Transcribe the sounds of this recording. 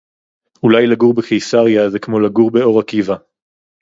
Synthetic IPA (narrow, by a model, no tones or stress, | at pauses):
ulajlaɡuʁbekejsaʁjazekmo̞laɡuʁbeo̞ʁakiva